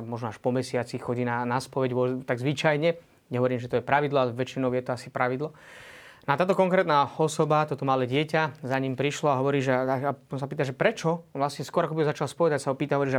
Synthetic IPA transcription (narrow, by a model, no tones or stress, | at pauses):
mɔʒnɔaʃpɔmɛsɪat͡sixxɔɟiːnanaspɔʋɛɟʋʊɔt̪aɡzʋit͡ʃajɲɛ | ɲɛɦɔʋɔɾiːmʒɛt̪ɔjɛpɾaʋid̪lɔalɛʋɛt͡ʃinɔʊjɛt̪ɔasipɾaʋid̪lɔnɔat̪aːt̪ɔkɔŋkɾɛːt̪naɔsɔbat̪ɔt̪ɔmalɛɟɪɛcazaɲiːmpɾiʃlɔaɦɔʋɔɾiːʒɛaaɔsapiːt̪aʒɛpɾɛt͡ʃɔʋlasɲɛskʊɔɾakɔbiɦɔzat͡ʃalspɔʋɛd̪acsaɦɔpiːt̪aɦɔʋɔɾiːʒɛ